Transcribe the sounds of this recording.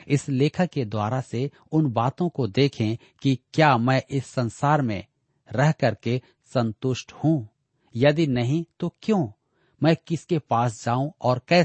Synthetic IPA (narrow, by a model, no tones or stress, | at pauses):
ɪsleːkʰəked̪waːɾase | ʊnbaːt̪õkod̪eːkʰẽ | kikjaːmɛ̃ːʔɪsːɐ̃nsaːɾmḛ̃ | ɾɛɦkɐɾke | sɐ̃nt̪ʊʃʈhũː | jɐd̪inɐɦĩt̪okjõː | mɛ̃ːkɪskepaːsd͡ʒaːũɔːɾkɛː